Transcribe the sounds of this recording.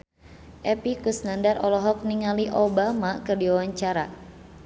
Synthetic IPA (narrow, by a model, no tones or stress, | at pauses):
ʔɛpikusnandaɾʔɔlɔɦɔk̚niŋaliʔobamakɨrdiawaɲt͡ʃaɾa